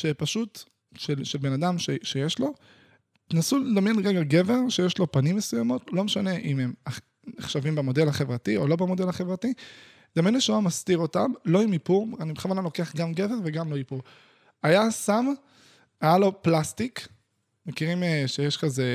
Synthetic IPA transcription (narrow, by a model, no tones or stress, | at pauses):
ʃepaʃut | ʃelʃelbe̞nadamʃeʃejeʃlo̞ | t̪enasuledamjenʁeɡaɡe̞ve̞ʁʃejeʃlo̞panimːesujamo̞tlo̞meʃane̞ʔimema | neχʃavimbemo̞de̞lhaχevʁatiolo̞bemo̞de̞lhaχe̞vʁati | d̥̪amjenleʃoamastiʁo̞tamlo̞imipuʁanibeχavanalo̞ke̞aχɡamɡe̞ve̞ʁveɡamlo̞ipuʁ | ajasam | ajalo̞plastik | mekiʁimeʃejeʃkaze̞